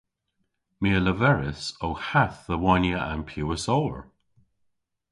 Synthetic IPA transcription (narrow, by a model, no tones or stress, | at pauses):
miələvɛɹɪsowhaθðəwɔnjəʔa̰npʰjuːəsoːə̰ɹ